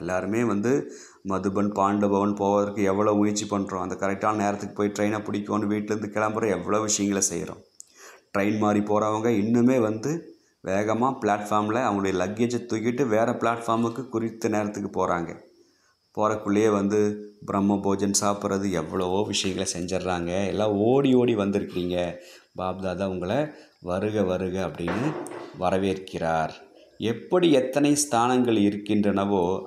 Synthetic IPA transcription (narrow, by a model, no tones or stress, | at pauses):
ɛlːaːɾɯmeːʋɐnd̪ɯ | mɐðɯbɐnpaːɳɖɯbɐʋɐnpoːʋɐðɐrkːɯɛʋːɐɭoːʊjɪt͡ʃːipɐɳːɾõːɐnd̪ɐkɐɾɛk̚ʈːaːnɐneːɾɐt̪ːɯkːɯ̥poːjiʈɾɐɪnaːpɪɽɪkʲːõːnːɯʋiːʈːɪlɾɯnd̪ɯkɛɭɐmbɐɾɐ̃ɛʋːɐɭoːʋɪʂɐjɐŋɡɐɭɐsɛ̰j̰ɾõ̰ːʈɾɐɪnmaːɾipoːɾɐʋɐŋɡɐɪnːɯmeːʋɐnd̪ɯ | ʋʔeːɣɐmaːpɪɭaːʈfaːɾmlɐɐʋɐŋɡɐɽɐjɐlɐɡɪd͡ʒɐt̪ːʊjɪʈːɯʋeːɾɐpɭaːʈfaːɾmɯkːɯkʊɾɪt̪ːɐneːɾɐt̪ːɯkːɯpoːɾa̰ːŋɡɐ̰ | poːɾɐkːʊɭːɪjeːʋɐnd̪ɯbɪɾɐmːɐboːd͡ʒɐnsaːpɯɾɐðɯɛʋːɐɭɐʋoːʋɪʂɐjɐŋɡɐɭsɛɲd͡ʒɐɾɾaːŋɡɐɛlːaːoːɽioːɽiʋɐnd̪ɪɾɯkːɪɾiːŋɡɐbaːb̚ðaːðaːʊŋɡɐɭɐ | ʋɐɾɯɣɐʋɐɾɯɣɐɐpːɐɽɪnːɯʋɐɾɐʋeːɾkːɪɾaːɾ | ɛpːɐɽiɛt̪ːɐnɐɪst̪ʰaːnɐŋɡɐɭɪɾɯkːɪndrɐnɐʋoː